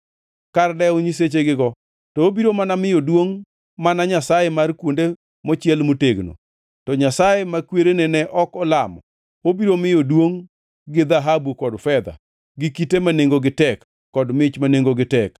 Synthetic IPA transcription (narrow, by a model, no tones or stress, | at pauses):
kardɛoɲis̬et͡ʃeɡɪɡɔ | tɔobiɾomanamɪjodwoŋ | manaɲasajemarkwonde | mɔt͡ʃɪɛlmoteɡno̰ | tɔɲasajemakweɾenɛnɛʔɔkɔlamɔ̰ | obiɾomɪjodwoŋ | ɡɪd̪aɦabukɔdfɛd̪a̰ | ɡɪkitemaneŋɡoɡɪtɛkː | ɔdmɪt͡ʃmaneŋɡoɡɪtɛk